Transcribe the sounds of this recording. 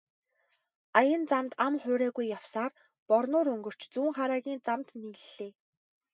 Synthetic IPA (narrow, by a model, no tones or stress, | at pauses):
ajə̆nt͡samt̪amχʊːɾæːɣujːawsaːr | pɔrnʊːɾɵŋɡɵ̆r̥t͡ɕt͡suːŋχaːɾaːɣʲiːnt͡samt̪niːɮɮeː